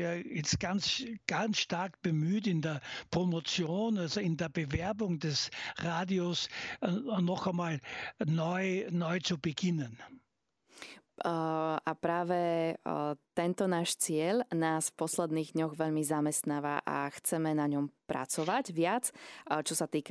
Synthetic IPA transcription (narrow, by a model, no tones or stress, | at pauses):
iɐjɛt͡st̚ɡ̥ant͡sɡ̥ansʃtaɐkb̥əmyːtɪndɛːɐpʁ̥omot͡sjoːnalzoɪndeːɐbəvɛɐbʊŋdɛsʁaːdios | nɔxamaːlnɔʏnɔʏt͡subɛɡɪnən | ʔapɾaːʋɛ | t̪ɛnt̪ɔnaːʃt͡sɪɛʎnaːsfpɔslɛd̪niːɣd̪ɲɔɣʋɛʎmizamɛst̪naːʋaʔa̰xt͡sɛmɛnaɲɔmpɾa̰t͡sɔʋaɟʋɪat͡st͡ʃɔsat̪iːk